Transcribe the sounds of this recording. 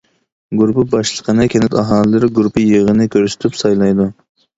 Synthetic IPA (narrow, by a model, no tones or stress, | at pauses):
ɡuɾpɨbɑʃlˠəqʰənɨkʲʰɛnɪt̪ɑɦɑːlˠɨlɨɾɪɡuɾpʰɨjəʁənɨkʲʰøɾsɪ̥t̪ʰypsɑjlˠɑjd̪u